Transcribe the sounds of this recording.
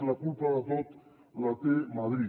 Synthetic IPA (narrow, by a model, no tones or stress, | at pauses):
lakulpaðat̪ot̪ | lat̪emaðɾi